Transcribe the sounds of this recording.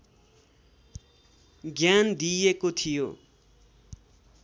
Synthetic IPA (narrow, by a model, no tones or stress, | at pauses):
ɡjand̪ijekot̪ʰijo̰